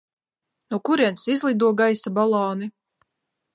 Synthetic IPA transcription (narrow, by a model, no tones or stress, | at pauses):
nukuɾiɛnsizlˠid̪uɔɡajsabalˠɔːni